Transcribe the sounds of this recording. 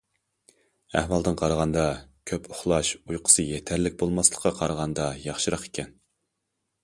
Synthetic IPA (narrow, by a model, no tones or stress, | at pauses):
æ̰hwɑlˠd̪ɨnqʰɑɾəʁɑnd̪ɑkʲʰøpʰʊχlˠɑʃujqʰə̥sɨjet̪ʰæɾlɪk̚ʲbolˠmɑslˠə̥qːɑqʰɑɾʁɑnd̪ɑjɑχʃɨɾɑqe̥kʲʰɛn